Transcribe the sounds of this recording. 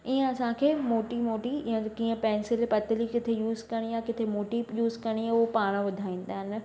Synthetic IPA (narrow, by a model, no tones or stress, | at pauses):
iːə̃ɐsãkʰeːmoːʈimoːʈijãkiːə̃pɛ̃ːnsɪlpɐt̪ɪlikɪt̪ʰejuːzkɐɽ̃ijakɪt̪ʰemoːʈijuːzkɐɽ̃ijaʊpaːɽ̃ʋʊd̪ʱaːĩːn̆d̪aːɦɪn̆